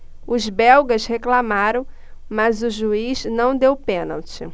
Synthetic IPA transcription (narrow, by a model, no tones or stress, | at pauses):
ʊzbɛwɡɐsheklamaɾɐ̃w̃ | mazʊʒuiznɐ̃w̃d̪ewpẽna̰wt͡ʃɪ̰